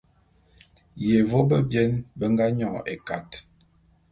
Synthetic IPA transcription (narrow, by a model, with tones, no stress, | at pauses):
je˨vo˦bə˦bjɛ˦nbə˦ŋɡa˦ɲɔ̃˦˨ḛ˨ka̰˨t